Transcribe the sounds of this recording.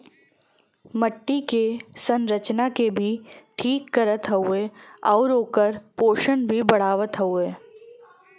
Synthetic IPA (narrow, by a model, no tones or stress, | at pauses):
məʈːikesə̃nɾət͡ʃnakebʱiʈʰiːkːəɾət̪ɦɐueɔːɾoːkəɾpoːʃənbʱibɐɽ̤aːʋət̪ɦəueː